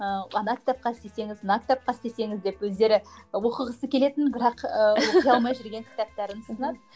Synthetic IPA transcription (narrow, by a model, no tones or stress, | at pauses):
əɑnɑkʲɪ̥t̪æp̚qɑst̪e̞se̞ŋɪznɑkʲɪ̥t̪æp̚qɑst̪e̞se̞ŋɪzd̪e̞pwɵzd̪e̞ɾɪwo̞qəʁəsəkʲʰe̞le̞t̪ɪnbɪɾɑqəɑlˠmɑjʒʏɾɡʲe̞ŋkʲʰɪ̥t̪æp̚t̪æɾɪnʊst̪ənɑd̪ə